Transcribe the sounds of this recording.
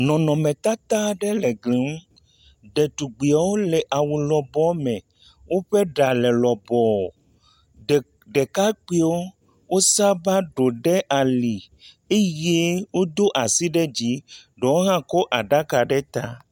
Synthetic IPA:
nɔ̃˨nɔ̃˨mẽ˨t̪a˦t̪a˦ɖɛ˦lɛ˨ɡli˨ŋ̩˦ | ɖe˨t̪u˨ɡ͡bi˨a˨wo˦lɛ˨ʔa˨wu˨lɔ˨bɔ˦mɛ̃˨ | wʔo˦ɸe˦ɖa˨lɛ˨lɔ˨bɔ˨ | ɖe˨ka˦k͡pi˦wo˦ | wo˦sa˦ba˦ɖo˨ɖɛ˦ʔa˨li˨ | e˦je˦wo˦d̪o˦ʔa˨si˦ɖɛ˦d͡ʑi˦ɖɔ˨wo˦ɦã˦kɔ˦ʔa˨ɖa˦ka˨ɖɛ˦t̪a˦

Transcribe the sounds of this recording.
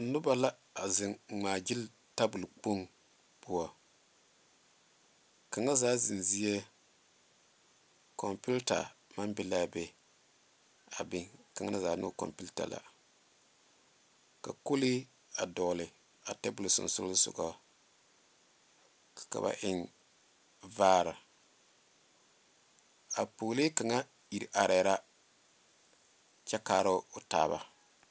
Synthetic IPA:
nʊ˦ba˦la˦ | a˨zɪ˨ŋ˨ŋ͡maː˨d͡ʒɪ˦l | ta˦bʊ˨lk͡po˦ŋ | pʊ˦wɔ˨ | ka˨ŋa˦zaː˦zɪ˨nzi˦je˦ | kɔ˨mpi˦lta̰˨ma˦mbɪ˦la˦˨bɛ˦ | a˨bɪ˦ka˨ŋa˦n˦zaː˨˦nʊ̰˦˨kɔ̰˨mpi˦ta̰˨la̰˨ | ka˨ko˦li˦ | a˨dɔː˨lɪ˨ | a˨tɛ˦bʊ˨lsʊ̰˨n˨sʊ̰˦lsʊ̰˨ɡɔ˦˨ | ka̰˨ba̰˨ʔɪ˦ŋ | vaː˦ɾɪ˨ | a˨poː˨li˦ka˨ŋa˦ | i˨ɾi˨ʔa˨ɾɛ˨˦ɾa˦ | t͡ʃɛ˦kaː˦ɾʊ˦ʊ˨taː˦ba˨

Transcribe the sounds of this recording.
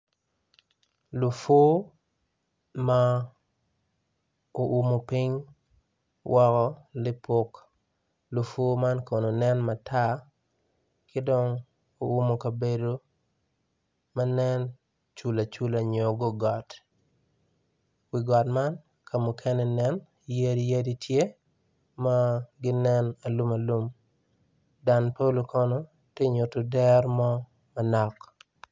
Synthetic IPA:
lu˨fo˦ | ma˦ | o˨ʔu˨mo˨pɪ˦ɲ | wʔɔ˦kɔ˦lɪ˦po˦k | lu˨fo˦ma˦nko˨no˨nɛ˦nma˨tʰa˦ | kɪ˦dɔ˦ŋ | o˨u˦mo˨kɐ˨be˨do˦ | ma˦nɛ˦n | t͡ʃu˨la˨t͡ʃu˦la˨ɲo˨ɡo˦ɡɔ˨t | wi˨ɡɔ˨tma˦n | kʰa˨mu˨kʰɛ˦nɛ˨nɛ˦n | ja˦di˦ja˦di˦tʰje˦ | ma˦ɡɪ˦nɛ˦na˨lu˦ma˨lu˦m | da˨npa˦lo˦kɔ˦no˦ | te˦ɲo˨to˨dɛ˦rmɔ˦ | ma˨nɔ˨k

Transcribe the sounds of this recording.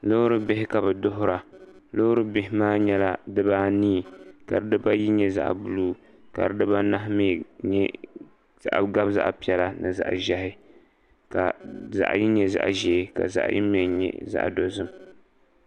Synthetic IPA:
lo˦ɾɨ˦bɪ˦hɪ˦ka˨bɨ˨dʊ˦ɦʊ˦ɾa˨lo˦ɾɨ˦bɪ˦hɪ˦maː˦ɲɛ˦la˦dɨ˦baː˦niː˦˨ka̰˨ɾɨ˦dɨ˦ba˦ji˦ɲɛ˦za̰˦ʔbʊ˨luː˦ | ka̰˨ɾɨ˦dɨ˦ba˦na˦ɦmi˦˨ɲɛ˦ | z̥a̰˦ʔɡa˦bza̰˦ʔpi˦ɛ˨la˦nɨ˨za̰˨ʔʒɛ˦ɦɪ˦ | ka̰˨za̰˨ʔji˦ɲɛ˦za̰˨ʔʒɛː˨ka̰˨za̰˨ʔjḭ˦mɛ˨ɲɛ̰˦za̰˦ʔdo˨zɨ˦m

